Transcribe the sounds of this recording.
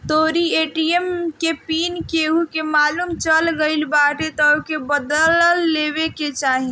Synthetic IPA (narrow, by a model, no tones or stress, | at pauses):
t̪oːɾieːʈiemkepiːnkeukemaːlumt͡ʃəlɡəɪlbaːʈet̪ɔokebəd̪əllːeːweket͡ʃaːɦĩ